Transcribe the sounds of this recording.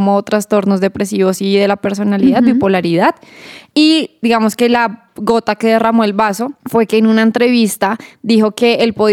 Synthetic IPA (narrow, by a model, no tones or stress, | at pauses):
mot̪ɾast̪o̞ɾnozd̪e̞pɾe̞siβo̞siðe̞lape̞ɾs̬o̞naliðaðbipolaɾiðaðid̪iɣamoske̞la | ɣo̞t̪ake̞ðe̞ramoelbaso̞fwe̞ke̞ːnunaent̪ɾe̞βist̪ad̪ixo̞ke̞ːlpoð